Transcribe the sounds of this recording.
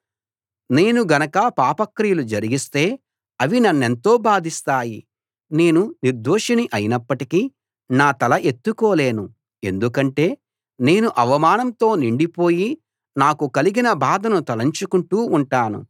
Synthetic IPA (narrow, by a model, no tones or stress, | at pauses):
ne̞ːnuɡɐnɐkɐpaːpɐkɾijɐlud͡ʒɐɾiɡist̪e̞ː | ɐʋinɐnːe̞nt̪o̞ːbaːd̪ist̪aːji | ne̞ːnuniɾd̪oːʂɐniʔɐjinɐpːɐʈiki | naːt̪ɐlɐʔe̞t̪ːukoːle̞ːnu | e̞nd̪ukɐɳʈe̞ː | ne̞ːnuʔɐʋɐmaːnɐmt̪o̞ːniɳɖipo̞ːji | naːkukɐliɡinɐbaːd̪ɐnut̪ɐlɐɲt͡ʃukuɳʈuːuɳʈaːnṵ